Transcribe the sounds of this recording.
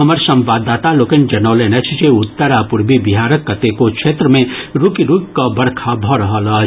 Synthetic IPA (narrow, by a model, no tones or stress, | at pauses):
ɦɐməɾsɐ̃mʋaːd̪ːaːt̪aloːkend͡ʒɐnɔːlenɐt͡ʃʰt͡ʃeʊt̪ːəɾapʊɾbibiɦaːɾəkːɐt̪ekokʃeːt̪ɾəmẽɾukiɾukkabɐɽkʰabʱɔɾɐɦəlɐ